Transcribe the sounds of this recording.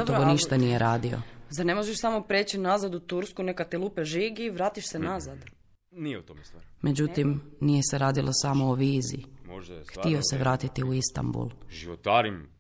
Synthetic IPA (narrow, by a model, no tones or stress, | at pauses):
t̪oʋoniʃt̪anijeɾaːd̪io̞̰zaɾne̞moʒeʃsamo̞pɾeːt͡ɕinazad̪ut̪uɾskunekat̪ilˠupeʒiɡiʋɾaːt̪iʃsenazad̪ | niut̪omme̞d͡ʑut̪imnije̞seɾaːd̪ilʔosamo̞oʋiːzḭ | xt̪io̞se̞ʋɾaːt̪it̪iuist̪a̰mbṵlˠʒiʋot̪aɾim